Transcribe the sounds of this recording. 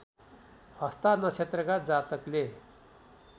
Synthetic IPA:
hʌst̪anʌt͡ʃʰet̪ɾəɡad͡zat̪əkle

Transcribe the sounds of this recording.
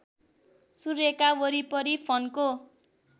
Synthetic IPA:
surekawʌɾipʌɾipʰʌnko

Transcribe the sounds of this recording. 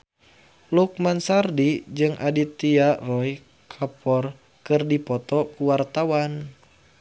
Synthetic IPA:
luk̚mansardid͡ʒɨŋʔa̰dit̪iarɔj | kʰapɔr | kɨrdipɔt̪ɔkuwart̪awan

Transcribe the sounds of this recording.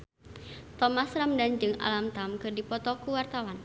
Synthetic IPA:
t̪ɔmasramdand͡ʒɨŋa̰lamt̪amkɨrdipɔt̪ɔkuwart̪awan

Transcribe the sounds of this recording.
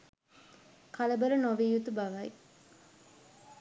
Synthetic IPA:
kaləbəɾənoʋiːjut̪ubɐʋɐj

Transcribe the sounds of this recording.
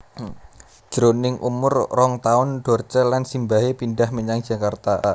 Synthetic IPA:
d͡ʒ̥ɾonɪŋʔṵmʊrːɔŋt̪aʊnɖ̥ɔ̤rt͡ʃəlansimbaɦepindahməɲaŋ̥ʒ̥a̤kart̪a

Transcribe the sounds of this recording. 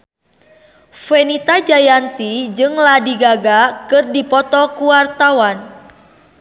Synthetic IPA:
fɛnit̪ad͡ʒajant̪id͡ʒɨŋladiɡaɡakɨrdipɔt̪ɔkuwart̪awan

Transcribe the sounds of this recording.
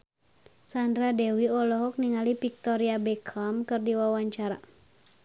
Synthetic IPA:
sandɾadɛwiɔlɔɦɔk̚niŋalipik̚t̪ɔɾiabɛkʰamkɨrdiwawaɲt͡ʃaɾa

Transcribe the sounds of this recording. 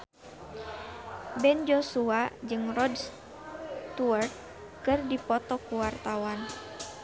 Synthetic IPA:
bɛnd͡ʒɔsuad͡ʒɨŋrɔds | t̪uərt̪̚ | kɨrdipɔt̪ɔkuwart̪awan

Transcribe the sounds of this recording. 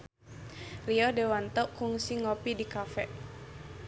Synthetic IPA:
riɔdewant̪ɔʔkuŋsiŋɔpidikafɛʔ

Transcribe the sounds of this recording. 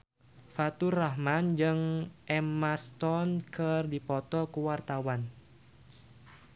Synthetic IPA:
fat̪uraɦmand͡ʒɨŋʔɛmast̪ɔnkɨrdipɔt̪ɔkəwart̪awan

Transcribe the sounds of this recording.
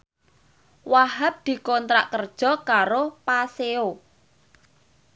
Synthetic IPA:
waɦap̚d̪̥i̤kɔnt̪ɾa̰ʔkərd̥ʒ̥ɔ̤kaɾopaseo

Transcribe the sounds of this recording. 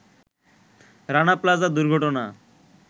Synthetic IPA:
ɾanaplad͡zad̪uɾɡʱɔʈona

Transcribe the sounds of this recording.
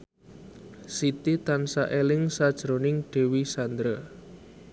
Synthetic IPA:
sit̪it̪ansaʔelɪŋsad̥ʒ̥ɾonɪŋɖ̥e̤wisand̪ɾə

